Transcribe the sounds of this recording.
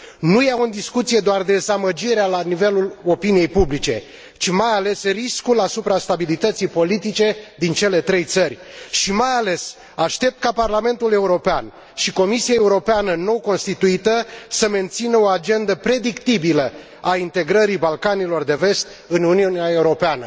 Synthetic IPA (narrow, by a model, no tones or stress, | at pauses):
nujaund̪iskut̪sije̞d̪oard̪e̞zaməd͡ʒiɾealanive̞lulo̞pinije̞jpublit͡ʃe̞̰ | t͡ʃimajale̞sriskulasupɾast̪abilit̪ət̪sijpo̞lit̪it͡ʃe̞d̪int͡ʃe̞le̞t̪ɾe̞jt̪sərʲʃimajale̞s | aʃt̪e̞p̚t̪̚kaparlame̞nt̪ule̞uɾo̞pean | ʃiko̞misiae̞uɾo̞peanəno̞ko̞nst̪it̪uit̪əsəme̞nt̪sinəo̞ad͡ʒe̞nd̪əpɾe̞d̪ikt̪ibilə | aint̪e̞ɡɾəɾibalkanilo̞rd̪e̞ve̞st̪ | ɨnuniuneae̞uɾo̞peanə